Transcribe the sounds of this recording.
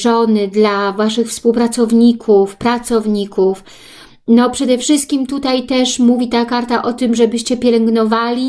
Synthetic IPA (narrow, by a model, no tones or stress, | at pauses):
ɔnɘd̪lavaʂɘxfspuwpɾat̪sɔvɲikʰufpɾat̪sɔvɲikʰuf | nɔpʂɛd̪ɛfʂɘst̪̚kʲimt̪ut̪ajt̪ɛʂmuvʲit̪akaɾt̪aʔɔt̪ɘmʐɛbɘɕt͡ɕɛpʲjɛlɛŋɡnɔvalʲi